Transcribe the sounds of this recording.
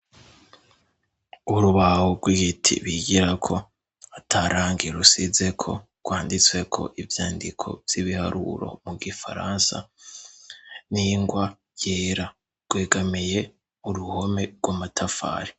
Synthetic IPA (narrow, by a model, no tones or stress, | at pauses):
uɾuβahoɡwiɡitʰḭβiɡiɾakʰo̞ | atʰaɾaːŋɡiɾusize̞kʰo̞̰ | ɡwaːndit͡swe̞kʰo̞̰ʔivjaːndikʰo̞̰vj̥iβiha̰ɾṵɾo̞̰muɡifa̰ɾa̰nsa̰ | niŋɡwa | jeːɾa | ɡ̥weːɡamije̞ | uɾuho̞me̞ɡwamatʰafa̰ːɾi̥